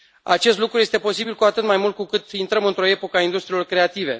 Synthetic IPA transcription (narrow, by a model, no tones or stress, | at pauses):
a̰t͡ʃe̞st̪lukɾujest̪e̞po̞sibilkuat̪ɨt̪majmult̪̚kukɨt̪int̪ɾəmɨnt̪ɾo̞e̞po̞kaind̪ust̪ɾilo̞rkɾe̞at̪ive̞̰